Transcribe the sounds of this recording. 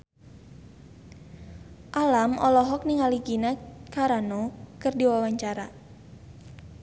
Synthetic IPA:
ʔalamɔlɔɦɔk̚niŋaliɡinakaɾanokɨrdiwawaɲt͡ʃaɾa

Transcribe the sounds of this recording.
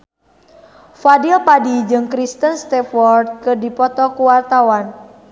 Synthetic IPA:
fadilpadid͡ʒɨŋkɾist̪ənst̪ɛfɔrd̪̚kɨrdipɔt̪ɔkuwart̪awan

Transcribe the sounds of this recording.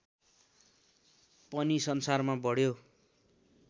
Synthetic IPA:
pʌnisʌnsarmabʌɽjo

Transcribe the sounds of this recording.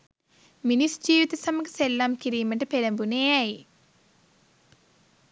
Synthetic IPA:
minisd͡ʒiːʋit̪ɐsɐmɐkɐ̥sɛlːaːmkiɾiːmɐʈɐpeɾɐmbuneːaji

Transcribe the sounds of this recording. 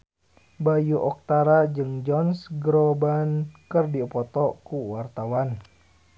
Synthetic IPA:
bajuʔɔk̚t̪aɾad͡ʒɨŋd͡ʒɔnsɡɾɔbankərdiɔpɔt̪ɔkuwart̪awan

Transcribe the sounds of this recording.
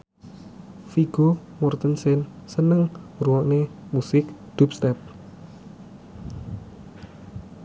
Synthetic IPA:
fiɡ̥o | mɔrt̪ənsɛnsənəŋɾuɔʔnemusɪk̚d̪̥up̚st̪ɛp̚

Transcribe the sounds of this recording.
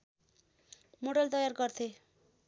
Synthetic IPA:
moɽʌlt̪ʌjarɡʌrt̪ʰe

